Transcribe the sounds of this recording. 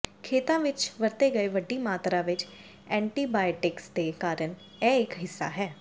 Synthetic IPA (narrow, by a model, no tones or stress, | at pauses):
kʰeːt̪ãːʋɪt͡ʃʋəɾt̪eːɡəeʋəɖːiːmaːt̪ɾãːʋɪt͡ʃ | ɛ̃ːɳʈiːbaːjʈɪksd̪eːkaːɾəɳ | ɛːɪkɦɪsːa̰ːɦɛː